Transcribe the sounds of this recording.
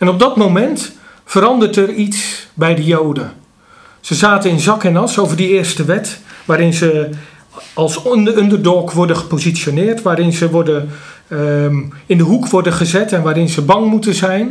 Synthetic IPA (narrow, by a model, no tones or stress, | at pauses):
ɛnɔb̚dɔtmowmɛntfəɾɑndərtɛritsbɛjdəjowdə | z̥əzaːtənɪnzɑkɛnɑsowvərdiɪːrstəʋɛtʋaːɾɪnzə | ɑlˠsøndərdɔːkʋɔrdəχə̥pozisjonɪːrtʋaːɾɪnzəʋɔrdə | ɪndəɦukʋɔrdəχəzɛtɛnʋaːɾɪnzəbɑŋmutəzɛjn